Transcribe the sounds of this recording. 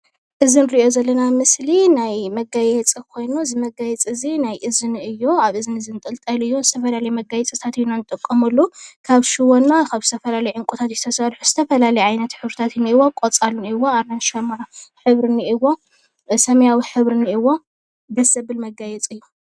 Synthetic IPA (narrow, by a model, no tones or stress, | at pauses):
ʔɨzɨnɾiijo̞zɐlːɐnamɨslinajmɐɡajɛt͡sʼikʰo̞jnuzɨmɐɡajɛt͡sʼɨzinajʔɨzɨnɨjːoaβɨzɨnɨzɨnt̪ʼɨlt̪ʼɐlɨjːozɨt̪ʰɐfɐlalɐjmɐɡajɛt͡sʼɨt̪ʰat̪ɨjunanɨt̪ʼɨkʼːɐmɐlːukʰaβʃɪwonːakʰaβzɨt̪ʰɐfɐlalɐjʕɨŋkʷʼut̪ʰat̪zɨt̪ʰɐsɐɾħuz̥ɨt̪ʰɐfɐlalɐjʕajnɐt̪ħɨβɾɨt̪ʰat̪ɨniiwokʼot͡sʼalniɨwoaɾnanʃɐmɾħɨβɾɨniʔiwːo̞ | sɐmɐjawiħɨβɾɨniɨwːo | bɐsɐbɨlmɐɡajɛt͡sʼɨjːo